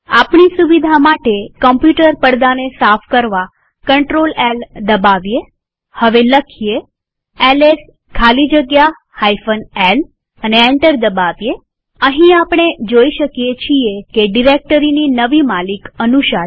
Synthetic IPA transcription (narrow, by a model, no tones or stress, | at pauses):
apɳisuʋid̪ʱamaʈekəmpjuʈəɾpəɽd̪anesafʰkəɾʋa | kəɳʈɾolɛld̪əbaʋje | həʋeləkʰie | ɛles | kʰalid͡ʒəɡja | hajfʰənɛl | əneɛ̃ɳʈəɾd̪əbaʋje | əɦĩapɽ̃ed͡ʒoiʃəkijet͡ʃʰiekeɖiɾek̚ʈəɾininəʋimalikənuʃa